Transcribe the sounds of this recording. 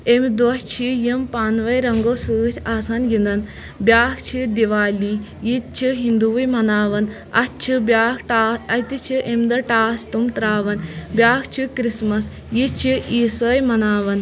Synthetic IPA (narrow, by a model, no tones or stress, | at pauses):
emd̪ʋɐʃt͡ʃʰijimpaːnʋɐjɾɐŋɡowsɨːt̪ʲʰaːsaːnɡind̪ɐn | bjaːkʰt͡ʃʰid̪iʋaːliːjit̪̚t͡ʃʰiɦind̪uːʋjmɐnaːʋɐn | ɐtt͡ʃʰibʲjaːkʈaːɐt̪it͡ʃʰiʔemd̪ɐʈaːst̪umt̪ɾaːʋɐnbjaːkʰt͡ʃʰikɾismɐs | jit͡ʃʰiiːsəːjmɐnaːʋɐn